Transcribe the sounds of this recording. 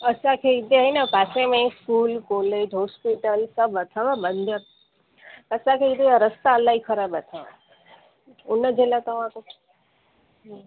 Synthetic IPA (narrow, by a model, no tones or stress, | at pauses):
əsãkʰeid̪ʱeɦinapasẽmẽskuːlkoled͡ʒɦoːspiʈəlsəbʱət̪ʰaʋãbənd̪ʱə | əsãkʰeɪd̪eɾəst̪aəlːaikʰəɾaːbət̪ʰaʋã̰ | ʊnːəd͡ʒelat̪əʋãk̪o